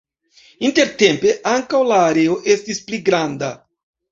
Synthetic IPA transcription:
inte̞ɾte̞mpe̞ʔaŋkawlaːɾe̞o̞ʔe̞stispliɡɾanda

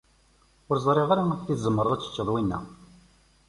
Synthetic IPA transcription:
ʊɾzˤɾˤeʁaɾaækθiθzˤəmːəɾˤəðˤat͡sːə̥t͡ʃːəðˤwinːæ̰

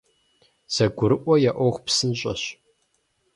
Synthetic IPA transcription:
z̥ɐɡʷʊɾɨʔʷɔjaʔʷɔχʷpsɨnɕʼɐ̰ɕ

